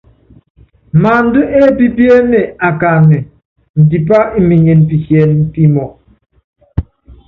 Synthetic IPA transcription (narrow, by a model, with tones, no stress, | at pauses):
ma˨n̩˦du˦ʔe˦bi˦bje˦me˨a˨ka˨me˨ | n̩˨di˨pa˦i˦mi˨ɲe˨n˨pi˨hjɛ˨n̩˦pi˦mɔ˨